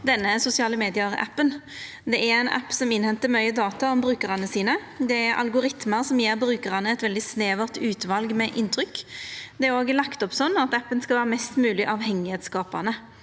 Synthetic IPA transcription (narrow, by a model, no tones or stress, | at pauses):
d̪ɛnːəsʊsɪɑːləmeːd̪ɪəæ̰pːən | d̪ɛʔæɾɛɪnʔæ̰pːsɔmɪnhɛnt̪əmœʏəd̪ɑːt̪ɑɔmbʁʉːkəʁɑnəsiːnə | d̪ɛæɾʔɑ̰lɡʊɾɪt̪məʁsɔmjeːʁbɾʉːkəʁɑnəɛt̪ʋɛld̪ɪsneːʋəʁt̪ʉːt̪ʋɑlɡmɛʔɪnːt̪ʰʁʏkːd̪ɛæɾoːɡlɑkt̪ɔpsɔnːɑt̪æpːənskɑʋæːʁəmɛst̪mʉːlɪʔɑʋhɛŋːɪhɛt̪skɑːpɑnə